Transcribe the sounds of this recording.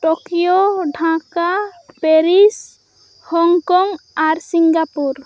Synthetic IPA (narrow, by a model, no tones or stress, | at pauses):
ʈokijoɖʱãkapeɾis | hɔŋkɔŋaɾsiŋɡapuɾ